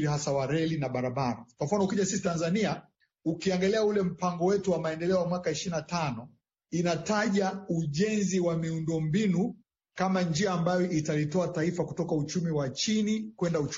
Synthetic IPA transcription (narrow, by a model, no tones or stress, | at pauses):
ɾiɦasawaɾɛlinaɓaɾaɓaɾakwam̩fanɔukiʄasisitanzania | ukiaŋɡalɛaulɛm̩paŋɡɔwɛtuwamaɛndɛlɛɔjamwakaiʃiɾinatanɔ | inataʄauʄɛnziwamiundɔmbinu | kamand͡ʒiaːmbajɔʔitalitɔataifakutɔkaut͡ʃumiwat͡ʃinikwɛndaut͡ʃ